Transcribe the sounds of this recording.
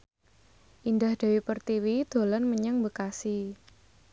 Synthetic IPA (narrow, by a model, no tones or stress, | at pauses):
ʔind̪ahd̪̥a̤wipərt̪iwid̪̥o̤lɔnməɲəŋmbəkasi